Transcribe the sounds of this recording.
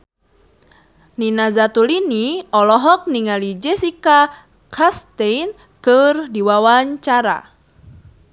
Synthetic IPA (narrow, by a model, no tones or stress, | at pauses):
ninazat̪uliniɔlɔɦɔk̚niŋalid͡ʒɛsika | kʰast̪ejn | kɨrdiwawaɲt͡ʃaɾa̰